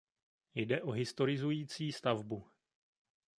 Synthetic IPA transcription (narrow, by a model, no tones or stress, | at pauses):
jdɛʔo̞ɦɪst̪o̞ɾɪzujiːt͡siːst̪avbu